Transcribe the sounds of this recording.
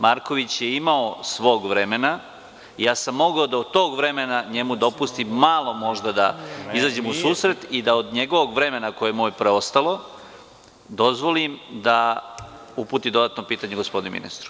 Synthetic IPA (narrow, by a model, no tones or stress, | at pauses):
maɾko̞ʋit͡ɕje̞imaosʋo̞ːɡʋɾe̞me̞na | ijaːsamːo̞ɡaod̪aod̪t̪o̞ːɡʋɾe̞menaɲe̞mud̪o̞pust̪imːalˠo̞mo̞ʒd̪ad̪aizaːd͡ʑe̞musuːsɾe̞t̪id̪aod̪ɲe̞ɡo̞ʋo̞ɡʋɾe̞me̞nakojejemoːjepɾe̞o̞st̪alˠo̞ | d̪o̞zʋo̞limd̪a | upuːt̪id̪o̞d̪at̪no̞piːt̪aɲeɡospo̞d̪inemḭnḭst̪ɾu